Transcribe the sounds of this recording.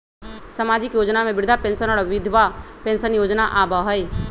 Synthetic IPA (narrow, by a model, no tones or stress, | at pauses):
səmaːd͡ʒɪkjoːd͡ʒnamẽbɪɾd̪ʱapẽːnsənɔːɽʋɪd̪ʱʋapẽːnsənjoːd͡ʒnaʔaːbaɦəj